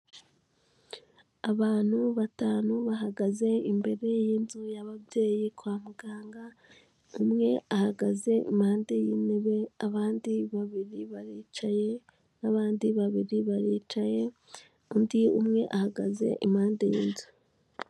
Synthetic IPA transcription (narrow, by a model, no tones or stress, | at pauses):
aβaːn̥huβataːnuβaɦaɡaze̞imbe̞ɾe̞jiːnzujaβabje̞ːjikwaːmuɡ̥aːŋɡa | umŋe̞ahaɡaze̞ḭmhaːndejiːne̞βe̞aβaːndiβaβiɾiβaɾiːt͡ʃaje̞ | naβaːndiβaβiɾiβaɾiːt͡ʃaje̞ | undiumŋe̞ʔahaɡaze̞̰ʔimhaːndejḭːnzu